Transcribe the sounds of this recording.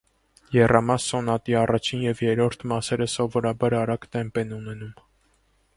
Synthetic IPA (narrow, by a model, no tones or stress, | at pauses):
jɛrɑmɑsːɔnɑt̪iɑrɑt͡ʃʰinjɛvjɛɾɔɾt̪ʰmɑsɛɾəsɔvɔɾɑbɑɾɑɾɑkt̪ɛmpɛnunɛnum